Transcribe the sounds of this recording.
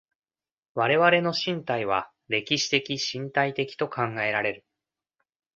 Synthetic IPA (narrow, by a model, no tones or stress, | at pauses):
βaɾe̞βaɾe̞no̞ɕĩnt̪aiβa | ɾe̞kʲiɕi̥t̪e̞kʲiɕĩnt̪ait̪e̞kʲi̥t̪o̞kʰãŋɡae̞ɾaɾe̞ɾɯ̟